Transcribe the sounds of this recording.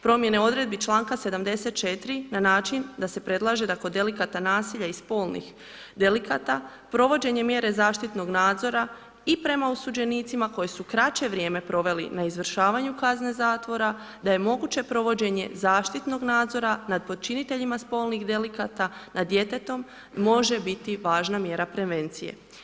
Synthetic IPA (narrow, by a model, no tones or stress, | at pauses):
pɾo̞mje̞ne̞o̞d̪ɾe̞d̪̚bit͡ʃlˠaːŋkase̞d̪amd̪e̞se̞t̪̚t͡ʃe̞t̪ɾinanaːt͡ʃind̪ase̞pɾe̞d̪lˠaːʒe̞d̪ako̞d̪e̞likat̪anaːsiʎaispo̞ːlˠnḭx | d̪elikat̪a | pɾo̞ʋo̞d͡ʑe̞ɲe̞mje̞ɾe̞zaːʃt̪it̪no̞ɡnaːd̪zo̞ɾa | ipɾe̞mausud͡ʑe̞niːt̪simako̞je̞sukɾat͡ɕe̞ʋɾʲjeːme̞pɾo̞ʋe̞lḭnaizʋr̩ʃaːʋaɲukazne̞zaːt̪ʋo̞ɾa | d̪aje̞mo̞ɡut͡ɕe̞pɾo̞ʋo̞d͡ʑe̞ɲe̞̰zaːʃt̪it̪no̞ɡnaːd̪zo̞ɾanad̪̚po̞d̪̚t͡ʃinit̪e̞ʎimaspo̞ːlˠniɣd̪elikat̪anad̪je̞t̪e̞t̪o̞mː | o̞ʒe̞bit̪iʋaːʒnamje̞ɾapɾe̞ʋe̞nt̪sije̞̰